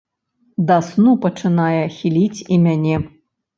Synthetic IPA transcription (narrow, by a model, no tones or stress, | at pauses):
d̪asnupɐt͡ʂɨnajɛxʲilʲit͡sʲimʲanʲɛ